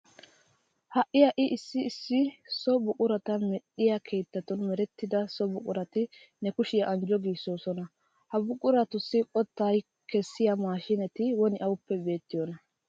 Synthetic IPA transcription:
hɐʔːɪjɐʔɪʔɪsːɪːsːɪsɔbʊkʼʊɾɐt̪ɐmɛɗːɪjɐkʰeːt̪ːɐt̪ɔnmɛɾɛt̪ːɪd̪ɐsɔbʊkʼʊɾɐt̪ɪ | nɛkʊʃɪjɐʔɐnd͡ʒɔɡiːsːoːsɔnɐ | hɐbʊkʼʊɾɐt̪ʊsːɪʔʼɔt̪ːaːj | kʰɛsːɪjamaːʃɪnɛt̪ɪwɔnɪʔɐwʊpːɛbe̞ːt̪ːɪjɔnɐ

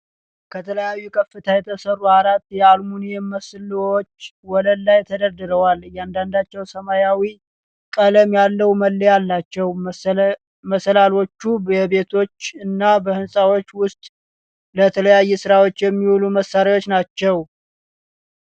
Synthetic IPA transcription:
kʰət̪ʰələjajːukʼʰəfːɨt̪ʰajɛt̪ʰəsərːuhaɾat̪ːjɛalmunijɛməslot͡ʃːwɔləlːajt̪ʰəd̪əɾd̪ɨɾəwaljand̪and̪at͡ʃːɛwsəmajawi | kʼələmjalːəwuməlːəjalːat͡ʃːɛw | məsəlalo̞t͡ʃːubɛβe̞t̪ʰo̞t͡ʃːɨnːabəhɨnsʼawo̞t͡ʃːwʊst̪ʼ | lət̪ʰələjajːɛsɨɾawo̞t͡ʃːjɛmːiwuluməsːaɾiwo̞t͡ʃːnat͡ʃːɛw

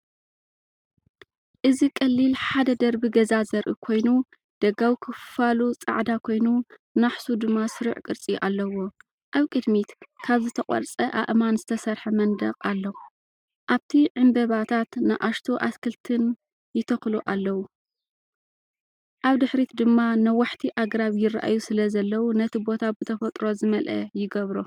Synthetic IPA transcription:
ʔɨzikʼɐlːilħad̪ɐd̪ɐɾbiɡɐzazɐɾʔɨkʰo̞jnu | d̪̥ɐɡawikʰɨfɨfalut͡sʼa̰ʕd̪akʰo̞jnu | naħsud̪ɨmːasɨɾiʕkʼɨɾt͡sʼiʔalːɐwo̞ | ʔaβkʼɨd̪mit̪kʰaβzɨt̪ʰɐkʼɐ̰ɾt͡sʼɐʔa̰ʔmanzɨt̪ʰɐsɐɾħɐmɐnd̪ɐqʼalːɐ | ʔaβt̪ʰiʕɨnb̪ɐβat̪ʰat̪nɨʔaʃt̪ʰoʔaskʰɨlt̪ʰɨn | jɪt̪ʰɐxluʔalːɐwu | ʔaβd̪ɨħɾit̪d̪ɨmːanɐwaħt̪ʰiʔaɡɾaβjɪrːa̰ʔa̰jusɨlɐzɐlːɐwunɐt̪ʰibo̞t̪ʰabɨt̪ʰɐfɐt̪ʼɾo̞zɨmɐlʔɐ̰jɪɡɐβɾo

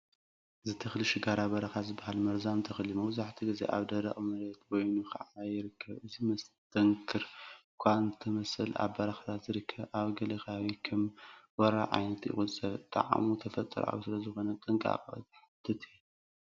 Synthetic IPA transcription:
zɨt̪ʰɨxlɨʃɪɡaɾabɐɾɐxazɨbːahalmɐɾzamt̪ʰɐxɨlimɐβzaħt̪ʰiɡɨzḛʔa̰βd̪ɐɾɐ̰χʼmɐɾet̪wɔjnuxɐ̰ʕaajɪɾɨkʰːɐβɨzimɐst̪ʰɐŋkʰɨɾkʷʰant̪ʰɐmɐsɐla̰βbɐɾaxat̪ʰat̪zɨɾɨkʰːɐβʔaβɡɐlɐxawikʰɐmwɔɾaʕa̰jnɐt̪jɪ̰χʼusʼɐβt̪ʼa̰ʕa̰mut̪ʰɐfɐt̪ʼːɨɾa̰wsɨlɐzɨxo̞nɐt̪ʼɨŋkʼa̰qʼt̪ħad̪ʰɨt̪ʰi

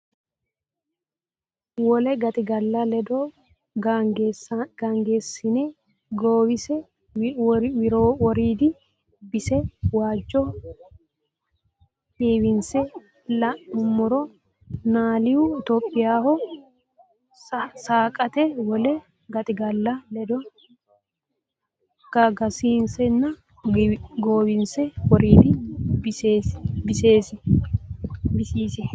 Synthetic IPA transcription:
wɔlɛɡɐt̪ʼɪɡɐlːɐlɛd̪ɔ | ɡɡ̥aŋɡeːsːɪne | ɡoːwɪsɛ | wɪɾoːwɔɾiːd̪ɪ | bɪsɛwaːd͡ʒːɔ | eːwɪnsɛ | lɐʊmːʊɾɔ | naːlɪjʊɪt̪oːpʼːɪjaːhɔ | saːkʼɐt̪ɛwɔlɛ | ɡɐt̪ʼɪɡɐlːɐlɛd̪ɔ | ɡ̥ɐɡɐsiːnsɛnːɐ | ɡoːbɪnsɛwɔɾiːd̪ɪb | bɪseːsɪ | bɪsiːsɪ

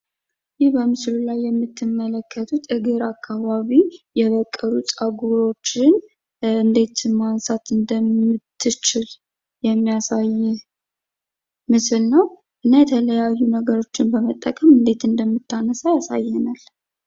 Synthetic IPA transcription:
jɪhbəmɨslulajːɛmːɨt̪ʰːɨmːələkʰːət̪ʰut̪ɨɡɨɾakʰːaβaβijɛβəkʼːəɾusʼaɡuɾo̞t͡ʃːɪn | ɨnd̪e̞t̪mansat̪ɨnd̪əmɨt̪ʰːɨt͡ʃɪl | jɛmːijasajːɛ | mɨsɨlnəw | ʔɨnːajɛt̪ʰələjajːunəɡəɾo̞t͡ʃːɪnbəmət̪ʼːəkʼəmɨnd̪e̞t̪ɨnd̪əmːɨt̪ːanəsajasajːɛnal

